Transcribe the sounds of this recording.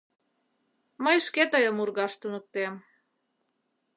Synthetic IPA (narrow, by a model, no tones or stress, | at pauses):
məjʃket̪əjəmurɣɑʃt̪unək̚t̪em